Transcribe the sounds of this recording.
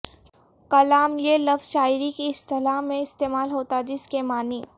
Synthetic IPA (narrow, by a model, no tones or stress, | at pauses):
kɐlaːmlielɐfz̥ʃaːɪɾikiɪst̪ɪlaɦmẽɪst̪eːmaːlɦoːt̪ad͡ʒɪskemaːniː